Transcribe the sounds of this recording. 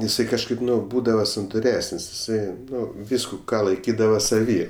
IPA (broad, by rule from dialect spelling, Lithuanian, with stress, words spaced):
ɪˈsɐɪ kɐʃˈkɐɪp ˈnʊ ˈbuːdɐʋɐ sɐntʊˈrʲæːsənʲsʲ ɪˈsɐɪ ˈnʊ ˈʋʲiːskʊ ˈkɑː lˠɐɪˈkʲiːdɐʋɐ sɐˈʋʲiː